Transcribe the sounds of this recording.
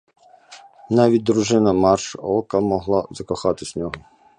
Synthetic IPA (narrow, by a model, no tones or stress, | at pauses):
nɑʋʲit̚ʲd̪ɾuʐɪnɐmɑrʃɔlˠkɐmɔɦlˠɑzɐkɔxɑt̪ɪsʲnʲɔɦʊ